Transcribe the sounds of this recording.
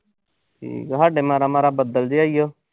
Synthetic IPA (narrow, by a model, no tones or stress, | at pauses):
ʈʰḭːkɦaːɖeːmaːɾaːmaːɾaːbəd̪əld͡ʒeaːijoː